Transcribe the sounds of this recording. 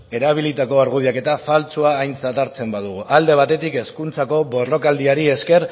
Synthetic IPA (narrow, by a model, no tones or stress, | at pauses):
e̞ɾaβ̞ilit̪ako̞aɾɣuðiake̞t̪afalt͡suaːjnt͡sat̪aɾt͡se̞mbað̞uɣ̞uʔald̪e̞β̞at̪e̞t̪ike̞skunt͡sako̞βo̞ro̞kald̪iaɾie̞ske̞ɾ